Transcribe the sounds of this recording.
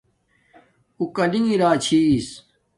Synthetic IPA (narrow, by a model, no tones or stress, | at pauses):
ukɐlĩiɾaːt͡ɕʰiːs